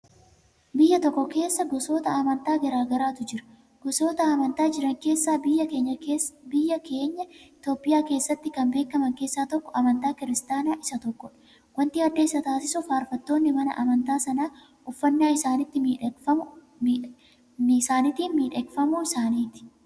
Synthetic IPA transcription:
bɪjːɐt̪ɔkːɔke̞ːsːɐɡɔso̞ːt̪ɐɐmɐnt̪aːɡɐɾaːɡɐɾaːt̪ʊd͡ʒɪɾɐ | ɡ̥ɔso̞ːt̪ɐɐmɐnt̪aːd͡ʒɪɾɐŋke̞ːsːaːɪjːɐe̞ːɲːɐbɪjːɐke̞ːɲːɐɪt̪o̞ːpːɪjaːke̞ːsːɐt̪ːɪkɐmbe̞ːkːɐmɐŋkeːsːaːt̪ɔkːɔɐmɐnt̪aːkɪɾɪst̪aːnaːʔɪsɐt̪ɔkːɔᶑ | wɐnt̪iːɐd̪ːeːsːɐt̪aːsɪsʊfaːɾfɐt̪ːo̞ːnːɪmɐnɐ̰ʔɐmɐnt̪aːsɐnaː | ɔfːɐnːaːɪsaːnɪt̪ːɪmːɐ | saːnɪt̪iːnmiːᶑɛkfɐmuɪsaːniːt̪ɪ̥

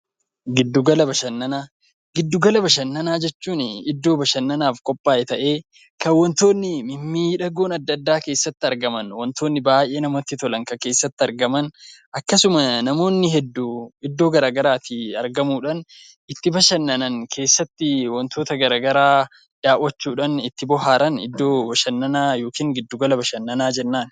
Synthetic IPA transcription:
ɡɪd̪ːʊɡɐlɐbɐʃɐnːɐnaː | ɡɪd̪ːʊɡɐlɐbɐʃɐnːɐnaːd͡ʒɛt͡ʃːuːnɪd̪ːo̞ːbɐʃɐnːɐnaːfkʼɔpʼːaːʔɛt̪ɐʔe̞ː | kɐwɔnt̪o̞ːnːɪmɪmːiːᶑɐɡoːnɐd̪ːɐd̪ːaːke̞ːsːɐt̪ːɪɐɾɡɐmɐnwɔnt̪o̞ːnːɪbaːjʔeːnɐmot̪ːɪt̪ɔlɐŋkɐke̞ːsːɐt̪ːɪɐɾɡɐmɐnʔɐkːɐsʊmɐnɐmo̞ːnːɪɦɛd̪ːuːɪd̪ːo̞ːɡɐɾaːɡɐɾaːt̪ɪɐɾɡɐmuːᶑɐn | ɪt̪ːɪbɐʃɐnːɐnɐnkʰe̞ːsːɐt̪ːɪwɔnt̪oːt̪ɐɡɐɾaːɡɐɾaː | d̪̥aːʔwɐt͡ʃːuːᶑɐnɪt̪ːɪbɔɦaːɾɐnɪ̰d̪ːo̞ːbɐʃɐnːɐnaːjo̞ːkiːŋɡɪd̪ːʊɡɐlɐbɐʃɐnːɐnaːd͡ʒɛnːaːn

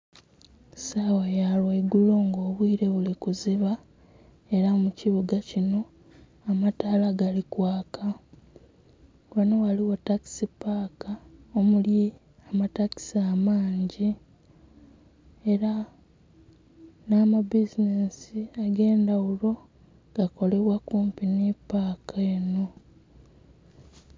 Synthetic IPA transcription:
sawajalweiɡulo̞ːŋɡo̞ːβwiːɾe̞βulikuziβa | e̞ɾamuciβuɡacino̞ | amataːlaɡalikwaːka | wanowaliwotaki̥sipaːkaomulji | amataki̥samaːɲɟi | e̞ɾa | namabizinesiaɡe̞ːndawulo̞ | ɡ̥ako̞le̞βwakuːmpinipaːkʰaeno̞

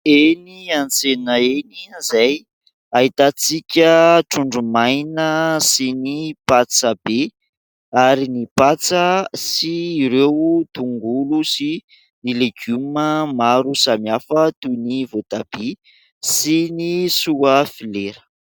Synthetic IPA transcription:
eniant͡senəeninzaj | aɦit̪at͡sikʲəʈ͡ʂuɳɖ͡ʐumajnəsinipat͡səbe | aɾinipat͡səsiːɾewt̪uŋɡulusi | nileɡuməmaɾusamiafət̪univot̪ab̥e | sinisuafileɾə̥

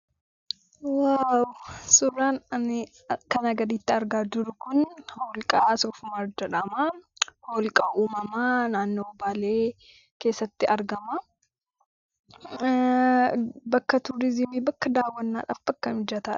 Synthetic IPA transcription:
wawsʊrːaːnɐnɪ | kɐnɐɡɐd̪iːt̪ːɪɐɾɡaːd̪ʊɾʊkʊnhoːlkʼasɔfʊmɐɾd͡ʒɛᶑɐmɐhoːlkʼɐʔuːmɐmɐnaːnːoːɔbaːleː | ke̞ːsːɐt̪ːɪʔɐɾɡɐmɐ | bɐkːɐt̪ʊɾɪzɪmiːbɐkːɐd̪aːwːɐnːa̰ːᶑa̰ːfb̥ɐkːɐnhʊd͡ʒɐt̪aːᶑ

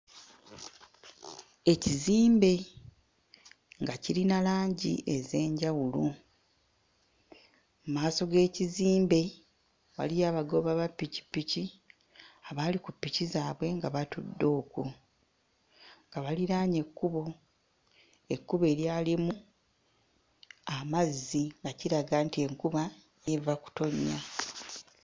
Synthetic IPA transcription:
e̞ciziːmbe̞ | ŋɡaciɾinalaːɲɟḭʔe̞ze̞ːɲɟawulu | mmaːso̞ɡe̞ːciziːmbe̞ | βa̰lijaːβaɡo̞βaβapːici̥pːici | aβaːlikupːicizaːβwe̞ŋɡaβatudːo̞ːku | ŋɡaβaliɾaːɲe̞kːuβo̞ | e̞kːuβe̞ːɾjaːlimu | amazːiŋɡaciɾaɡaːntie̞ŋkuβa | jevaku̥to̞ɲːa

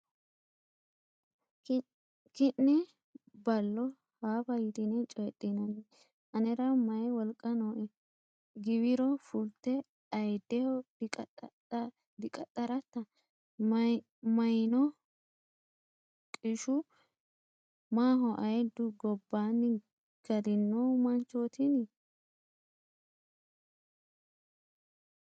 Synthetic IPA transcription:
kɪnːɛ | bɐlːɔ | haːfɐjɪt̪ɪnɛt͡ʃʼɔjɛt̪ʼːɪnɐnɛ | ʔɐnɛɾɐmɐjwɔlkʼːɐnoːʔɛ | ɡɪwɪɾɔfʊlt̪ːɛ | ɐjd̪ːɛhɔ | d̪ɪkʼɐt̪ʼːɐɾɐt̪ːɐ | mɐjnɔ | kʼɪʃʊ | maːɦɔʔɐjd̪ʊɡɔbːaːnːɪ | ɡ̥ɐd̪ɪnːoːmɐnt͡ʃːoːt̪ɪni

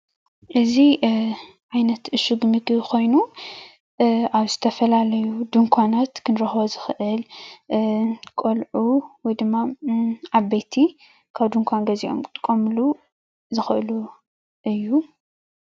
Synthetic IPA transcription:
ʔɨzi | ʕajnɐt̪ɨʃuɡmɨɡɨko̞jnu | ʔaβzɨt̪ʰɐfɐlalɐjud̪ɨŋkʷʰanat̪kʰɨnɾɐxbɐzɨxʔɨl | kʼolʕuwɔjd̪ɨmːaʕaβejt̪ʰi | kʰaβd̪ɨŋkʰʷanɡɐziʔo̞̰mkʼt̪ʼɨkʼomlu | zɨxɨʔɨlu | ʔɨjːu

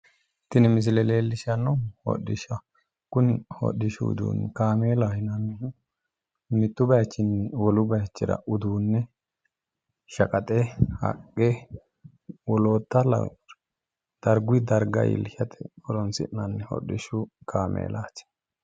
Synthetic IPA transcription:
t̪ːɪnɪmɪs̬ɪlɛleːlːɪʃɐnːɔhɔ̰ɗɪʃɐ | kʊnɪhɔ̰ɗɪʃʊʊ̰d̪ṵːnkaːmeːlaːhɪnɐmɪ | mɪt̪ːʊbɐjt͡ʃːɪnːwɔlʊbɐjt͡ʃːɪɾɐ̰ʔʊd̪uːnːɛ | ʃɐkʼɐt̪ʼɛhɐ̰kʼːe | wɔlo̞ːt̪ːɐlɐ̰ | d̪̥ɐɾɡʊɪd̪ɐɾɡɐ̰jɪ̰lʃɐt̪ʰɛ̥bɔlɔnsɪ̰nːɐnːɛhɔ̰ɗɪʃʊkʰaːmʔḛːlaːt͡ʃːɛ̥

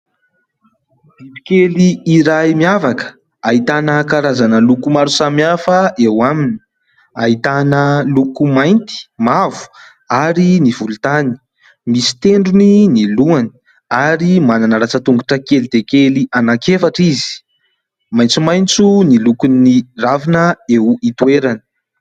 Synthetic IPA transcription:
d̪idi̥keliiɾajmiavakə̥ | aɦit̪anəkaɾazanəlukumaɾusamiafəewamini̥ | ait̪anəlukumajnt̪i̥mavu̥ | aɾinivulut̪ani̥ | misi̥t̪eɳɖ͡ʐuniniluani̥ | aɾimananəɾat͡sət̪uŋɡuʈ͡ʂəkelid̪ekelianakefaʈ͡ʂizi̥ | majnt͡sumajnt͡sunilukuniravinəewit̪weɾanə̥

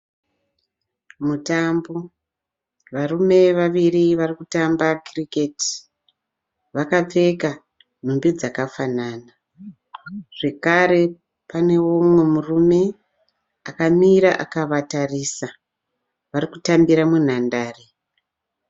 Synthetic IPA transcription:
mutambo̞ | ʋarume̞ʋaʋiriʋarikutambakriketi̥ | ʋakap͡fe̞ka | n̤umbid͡zakafanaːna | ʐ̥e̞kaɾe̞ | pane̞womwe̞murume̞ | akamiɾaʔakaʋatariːsa | ʋarikutambiɾamun̤andaːre

